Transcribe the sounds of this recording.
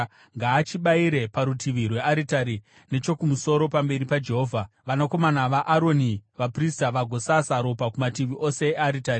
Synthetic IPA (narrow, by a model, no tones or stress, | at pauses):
ŋɡaːt͡ʃiɓaiɾe̞paɾutʰiʋirwe̞aɾitaɾi | ne̞t͡ʃo̞kumuso̞ɾo̞pambe̞ɾipad͡ʒe̞ɦoːvʱa | ʋanako̞manaʋaʔaɾo̞niʋapristaʋaɡʱo̞sasaɾo̞pakumatiʋiʔo̞se̞ːaɾitaɾi